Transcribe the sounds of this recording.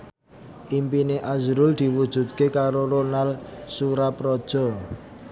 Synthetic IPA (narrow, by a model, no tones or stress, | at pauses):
ʔimpineʔazɾʊld̪̥i̤wud̥ʒ̥ṳt̪̚kekaɾoɾonalsuɾapɾɔd̥ʒ̥ɔ̤